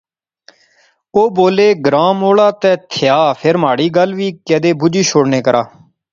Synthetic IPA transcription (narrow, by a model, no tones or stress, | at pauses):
oːboːleːɡɾaːmoːɽaːt̪ɛ̃ːt̪ʰɪjaːpʰeɾmaːɽiːɡəlʋiːkɛːd̪eːbʊd͡ʒiːʃʰoːɽneːkəɾʔaː